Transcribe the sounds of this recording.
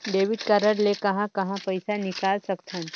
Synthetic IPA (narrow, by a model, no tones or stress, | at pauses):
ɖeːʋɪɖkəɾəɽlekɐɦãkɐɦãpɐɪsanɪkaːlsɐkt̪ʰɐ̃n